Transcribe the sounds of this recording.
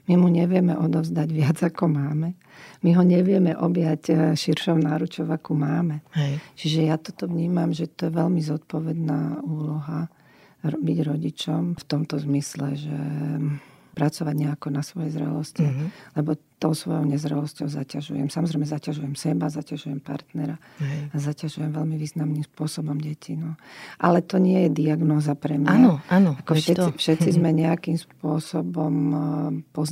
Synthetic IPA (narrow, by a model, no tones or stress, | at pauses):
mimuɲɛʋɪɛmɛʔɔd̪ɔvzd̪aɟʋɪad͡zakɔmaːmɛ | miɦɔɲɛʋɪɛmɛʔɔbjacʃiɾʃɔʊnaːɾut͡ʃɔʊakumaːmɛt͡ʃiʒɛjat̪ɔt̪ɔʋɲiːmamʒɛt̪ɔjɛʋɛʎmizɔt̪̚pɔʋɛd̪naːuːlɔɦa | ɔbiɟɾɔɟit͡ʃɔmft̪ɔmt̪ɔzmislɛ̰ʒɛ̰ | pɾat͡sɔʋaɟɲɛakɔnasʋɔjɛzɾɛ̰lɔscilɛbɔt̪ɔʊsʋɔjɔʊɲɛzɾɛlɔscɔʊzacaʒṵjɛ̰msamɔzɾɛɪmɛzacaʒujɛmsɛbazacaʒujɛmpa̰ɾt̪nɛɾaː | zacaʒujɛmʋɛlmiʋiːznamnimspʊɔsɔbɔmɟɛcʰinɔʔalɛt̪ɔɲɪɛjɛd̪iaɡnɔːzapɾɛmɲaaɔanɔakɔʒɛʃɛifʃɛt̪t͡sizmɛɲɛakimspʊɔsɔbɔm | pɔz